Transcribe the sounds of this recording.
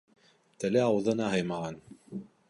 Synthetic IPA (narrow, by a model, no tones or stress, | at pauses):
t̪ælæɑwðɤ̆nɑɦɤjmɑʁɑn